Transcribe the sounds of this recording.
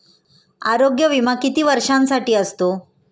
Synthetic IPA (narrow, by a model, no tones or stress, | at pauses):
a̰ːɾoɡjɐʋimakit̪iʋɐɾʂansaʈiːɐst̪u